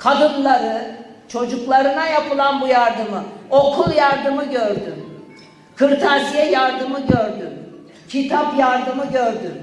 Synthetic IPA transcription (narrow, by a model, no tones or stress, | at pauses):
kʰad̪ɯnlˠaɾɯt͡ʃʰo̞d͡ʒuklˠaɾɯnajapʰɯlˠanbujaɾd̪ɯmɯokʰulˠjaɾd̪ɯmɯɟøɾd̪ym | kʰɯɾt̪ʰasijɛjaɾd̪ɯmɯɟøɾd̪ym | cʰit̪ʰapjaɾd̪ɯmɯɟøɾd̪ym